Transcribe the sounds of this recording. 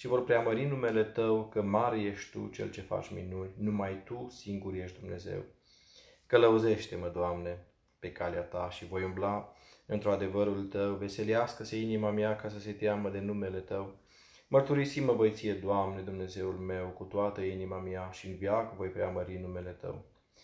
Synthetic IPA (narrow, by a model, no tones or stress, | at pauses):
ʃivo̞rpɾeaməɾinume̞le̞t̪əwkəmaɾje̞ʃt̪t̪ṵt͡ʃe̞̰lt͡ʃe̞fa̰t͡ʃʲmḭnunʲnumajt̪usiŋɡuɾje̞ʃt̪d̪umne̞ze̞̰w | kələuze̞ʃt̪e̞məd̪oamne̞ | pe̞kaleat̪aʃivo̞jumblaɨnt̪ɾuad̪e̞vəɾult̪əwve̞se̞liaskəseinimamjakas̬əse̞t̪jaməd̪e̞nume̞le̞t̪əw | mərt̪uɾisiməvo̞jt̪sije̞d̪oamne̞d̪umne̞ze̞ulme̞wkut̪oat̪əinimamjaʃiɨnvjakəvo̞jpɾeaməɾinume̞le̞t̪ə̰w